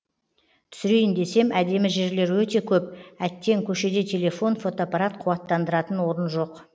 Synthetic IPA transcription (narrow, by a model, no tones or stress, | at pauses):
t̪ʰʏ̥sɪɾejɪnd̪e̞se̞mæd̪e̞mɪʒe̞ɾle̞ɾwɵt̪e̞kʲʰɵp̚æt̪ːe̞ŋkʲʰɵʃe̞d̪e̞t̪ʰe̞le̞fo̞nfo̞t̪oapaɾat̪qʰʊwɑt̪ːɑnd̪əɾɑt̪ənwo̞ɾənʒo̞q